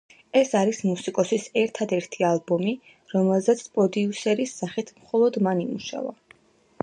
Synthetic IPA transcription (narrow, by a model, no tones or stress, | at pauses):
ɛsaɾismusikʼɔsisɛɾt̪ʰad̪ɛɾt̪ʰialˠbɔmi | ɾɔmɛlˠzɛt̪sʰpʼɔd̪iusɛɾisːaχit̪ʰmχɔlˠɔd̪manimuʃa̰va̰